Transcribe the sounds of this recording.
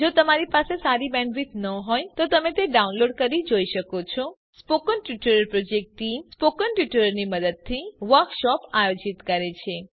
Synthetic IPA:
d͡ʒot̪əmaɾipasesaɾibɛ̃ɳɖɾit̪nəɦɔjt̪ot̪əmet̪eɖaunloɖkəɾʋid͡ʒoiʃəkot͡ʃʰɔ | spokənʈjuʈuɾəɾpɾod͡ʒek̚ʈːimspokənʈjuʈuɾəɾniməd̪əd̪̚t̪ʰiʋəɾkʃɔpajod͡ʒit̪kəɾet͡ʃʰe

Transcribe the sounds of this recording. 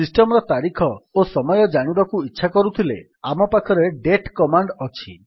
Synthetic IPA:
isʈɔmɔɾɔt̪aɾikʰɔosɔmɔjɔd͡ʒaɽ̃ibakuitːʃʰakɔɾut̪ʰile | amɔpakʰɔɾeɖeʈkɔmaɳɖɔt͡ʃʰḭ

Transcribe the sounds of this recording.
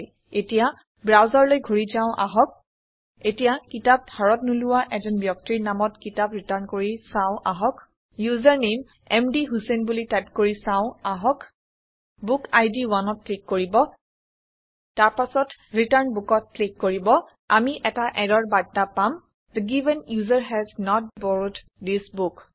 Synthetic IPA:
j | etija | bɹawzaɹlojɡʱoɹizãʊ̃ʔa̰ɦɔk̚ | etijakitap̚bʱaɹɔtnulʊwaʔɛzɔnbjɔk̚tiɹnamɔtkitapɹitaɹnkoɹisãʊ̃ʔaɦɔk | juzaɹnem | ɛmdiɦusenbulitatkoɹisãʊ̃aɦɔk | bukajdiwanɔt̚klikːoɹibɔ | taɹpasɔtɹitaɹnbukɔt̚klikːoɹibɔ | amiʔɛtaʔɛdɔɹbadːapam | d̪əɡivɛnjuzaɹɦɛznɔt̚bɔɹut | disbuk

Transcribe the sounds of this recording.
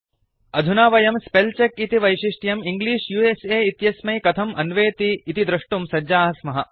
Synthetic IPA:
ɐd̪ʱunaːʋɐjɐmspelt͡ʃekit̪iʋɐjʃiʂʈjɐmiŋɡliːʂjueseːit̪jɐsmɐjkɐt̪ʰɐmɐnʋeːt̪iːt̪id̪ɾɐʂʈumsɐd͡ʒaːɦɐsmɐɦɐ

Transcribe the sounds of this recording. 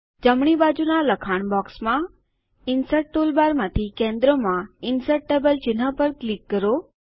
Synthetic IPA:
d͡ʒəmɳ̃ibaːd͡ʒunalɐkʰaːɳ̃bɔːksmã | ɪnsəʈ̚ʈoːlbaːɾmãːt̪ʰikẽːnd̪ɾõmãɪnsəʈʈeːbəlt͡ʃɪnɦãpəɾklɪkːəɾoː

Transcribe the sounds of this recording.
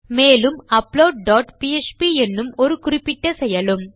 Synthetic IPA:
meːlɯmɐploːɖ̚ɖaːʈpiet͡ʃpiɛnːɯmɔɾɯkʊrɪpːɪʈːɐsɛjɐlɯm

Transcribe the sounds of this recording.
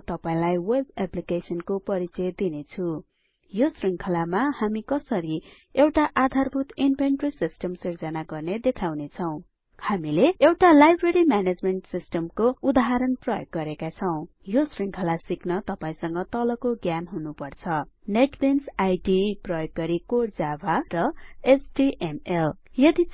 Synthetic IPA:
t̪ʌpaĩlajwebaplikesʌnkopʌɾit͡sʌd̪inet͡sʰu | josriŋkʰʌlamahamikʌsʌɾi | ewʈaʔad̪ʱarbʱut̪inpenʈrisisʈʌmsird͡zʌnaɡʌrned̪ekʰawnet͡sʰʌw̃ | hamileewʈalajbreɾimaned͡zmeɳʈsisʈʌmkoud̪aɦaɾʌnprʌjoɡːʌɾekat͡sʰʌw̃ | josriŋkʰʌlasiknʌt̪ʌpaĩsʌŋɡʌt̪ʌlʌkoɡjanɦunupʌrt͡sʰʌneʈbensajɖiprʌjoɡːʌɾikoɽd͡zabʱarʌesɖiʔemel | jʌd̪i

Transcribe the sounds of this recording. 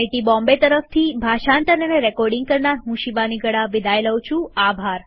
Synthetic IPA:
eʈibɔ̃mbet̪əɾəft̪ʰibʱaʃant̪ənəneɾɛkɔɾɖĩŋɡ̚kəɾnaɾɦũʃibaniɡəɽaʋid̪ʱajləʋt͡ʃʰũabʱaɾ

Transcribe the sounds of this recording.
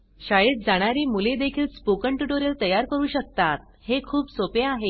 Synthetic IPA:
ɕajiʈ̚d͡zaɽ̃aɾiːmuled̪ekʰiːlspokəɳʈjuʈoɾelt̪əjaɾkəɾuːɕək̚t̪at̪̚ | hekʰuːbsopeaɦe

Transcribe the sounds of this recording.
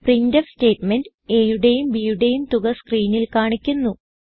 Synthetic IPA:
priɲdɐfste̞ːtmend | e̞ːjuɽejumbiːjuɽe̞jumt̪uɣɐskriːnilkaːɳikʲːunːu

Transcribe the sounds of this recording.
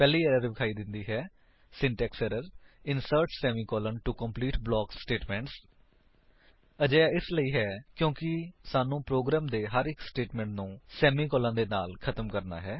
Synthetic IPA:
pɛːliːɛɾəɾbɪkʰaːiːd̪ɪnd̪iːɦɛː | sɪ̃ɳʈɛːksɛɾəɾɪnsəɾʈsɛːmiːkɔːlənʈukəmpliːʈblɔːksʈeːʈmɛ̃ːɳʈs | əd͡ʒəːaːɪsləiːɦɛːkjõːkɪsaːnũːpɾoːɡɾaːmd̪eːɦəɾɪksʈeːʈmɛ̃ːɳʈnũːsɛːmiːkɔːlãːd̪eːnaːlkʰət̪əmkəɾna̰ːɦɛː

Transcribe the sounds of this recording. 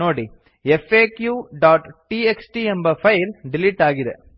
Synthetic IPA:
oːɽi | efeːkjuɖaːʈʈieksʈiembɐpʰɐjlɖiliʈːaːɡid̪e

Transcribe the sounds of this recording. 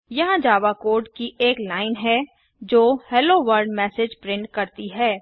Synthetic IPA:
jɐɦãd͡ʒaːʋakoːɾɖkiʔeːklaːɪnɦɛ | d͡ʒoːhɛːloːʋəɾɖmɛːsed͡ʒpɾɪ̃ɳʈ̚kɐɾt̪iɦɛː

